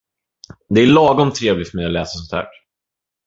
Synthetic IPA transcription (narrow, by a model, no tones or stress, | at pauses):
d̪ɛæɭɑːɡɔmt̪ʰːɾeːvlɪt̪mɛalɛːsasɔnt̪ʰæ̰ːʈ